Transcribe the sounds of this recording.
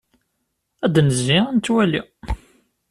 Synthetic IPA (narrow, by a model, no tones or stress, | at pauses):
æd̪nəzːiænt̪ːwæli